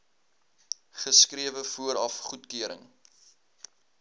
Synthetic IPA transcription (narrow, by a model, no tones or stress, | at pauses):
χəskriəvəfuəɾɐfχutkøəɾə̰ŋ